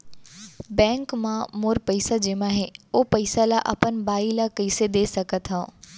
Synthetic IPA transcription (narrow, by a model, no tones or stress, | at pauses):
bɛ̃ːŋkmãmoːɾpɐɪsad͡ʑeːmãɦeoːpɐɪsalaʔɐ̰pənbaːilakiːsed̪eːsɐkət̪ʰɦã